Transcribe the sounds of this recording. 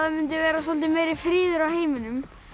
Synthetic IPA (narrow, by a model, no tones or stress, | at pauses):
ðamʏnt̪ɪvɛːɾasɔlt̪ɪmeːjɾifɾiːðʏɾawheːjmɪnʏm